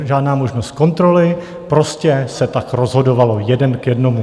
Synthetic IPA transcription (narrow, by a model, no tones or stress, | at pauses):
ʒaːdnaːmo̞ʒnost̪̚ko̞nt̪ɾo̞lɪ | pɾo̞scɛsɛt̪akɾo̞zɦo̞do̞valo̞jɛdɛnkjɛdno̞mu